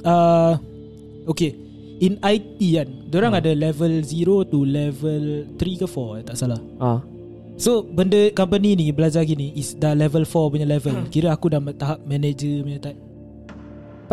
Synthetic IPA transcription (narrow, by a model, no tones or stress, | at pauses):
a | oke | inajt̪iandoɾaŋadalɛvəlziɾot̪ulɛvəlt̪ɾikəfɔat̪aʔsalah | a | sobəndəkɔmpəninibəlad͡ʒaɡiniʔisdalɛvəlfɔpəɲalɛvəlakiɾəakudapat̪ːaɦap̚mɛ̃ned͡ʒəmaət̪aʔ